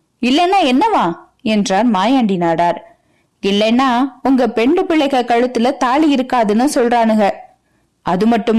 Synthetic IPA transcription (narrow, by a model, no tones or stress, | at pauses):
ɪlːɛnːaːɛnːɐʋãː | ɛndraːɾmaːjaːɳɖinaːɽaːɾ | ɪlːɐnːaːʊŋɡɐpɛɳɖɯpɪɭɐɪɣɐkɐɻɯt̪ːɯlɐt̪aːɭijɪɾɯkːaːðɯnːɯsɔlraːnɯɡɐɭ | ʔɐðɯmɐʈːɯm